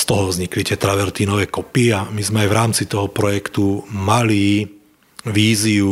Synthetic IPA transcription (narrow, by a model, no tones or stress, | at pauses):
st̪ɔɦɔʋzɲiklicɛt̪ɾaʋɛɾt̪iːnɔʋɛːkɔpiamizmɛajʋɾaːmt͡sit̪ɔɦɔpɾɔjɛkt̪umali | ʋiːziu